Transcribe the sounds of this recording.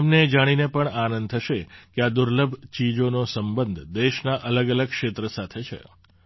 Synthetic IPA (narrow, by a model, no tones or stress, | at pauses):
mned͡ʒaɽ̃inepəɳanənd̪̚t̪ʰəʃekead̪ʊɾləbʱt͡ʃid͡ʒonosəmbənd̪ʱd̪eʃnaʔələɡələɡ̚kʃet̪ɾəsat̪ʰet͡ʃʰḛ